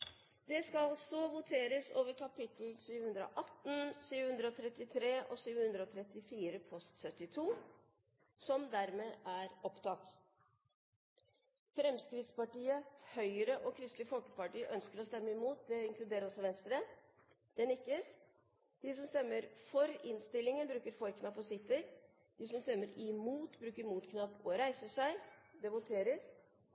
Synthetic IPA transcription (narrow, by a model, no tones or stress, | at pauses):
d̪ɛskɑsɔʋʊt̪ʰeːɾəsoːʋəɾkʰɑpɪt̪l̩ʃyːʋəhʉnd̪ɾəɔ̰ʔɑt̪ːn̩ʃyːʋəhʉnd̪ɾəɔt̪ʰɾɛt̪ːɪt̪ʰɾeːʔɔʃyːʋəhʉnd̪ɾəɔt̪ʰɾɛt̪ːɪfiːɾəpʰɔst̪sœt̪ːɪt̪ʰuː | sɔmd̪æɾmeːʔæɾɔpt̪ɑːk̚t̪ | fɾɛmskɾɪt̪spɑʈiːəhœʏəɾəʔɔkʰɾɪst̪lɪəfɔlkəpɑʈiːəʔœnskəɾɔst̪ɛmːəɪmuːt̪̚d̪ɛɪŋklʉd̪eːɾəɾɔsɔʋɛnst̪ɾə | d̪̥ɛnɪkːəs | d̪̥ɪsɔmst̪ɛmːəɾfɔɾɪnst̪ɪlːɪŋənbɾʉːkəɾfɔɾkʰnɑpːɔsɪt̪ːəɾ | d̪̥ɪsɔmst̪ɛmːəɾɪmuːt̪bɾʉːkəɾmuːt̪kʰnɑpːɔɾæɪsəʂæɪd̪ɛʋʊt̪ʰeːɾəs